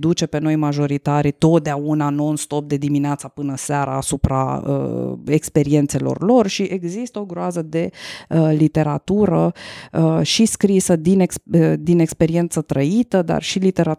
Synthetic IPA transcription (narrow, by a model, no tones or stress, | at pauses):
d̪ut͡ʃe̞pe̞no̞jmaʒo̞ɾit̪aɾit̪o̞t̪̚d̪eaunanoɨnst̪o̞p̚d̪e̞d̪imineat̪sapɨnəseaɾa̰ːsupɾa̰ə̰ekspe̞ɾie̞nt̪se̞lo̰rlo̞rʃiʔe̞ɡzist̪əo̞ɡɾoazəd̪e̞əlit̪e̞ɾat̪uɾə | ʃiskɾisəd̪ineksd̪ine̞kspe̞ɾie̞nt̪sət̪ɾəit̪əd̪a̰rʃilit̪e̞ɾa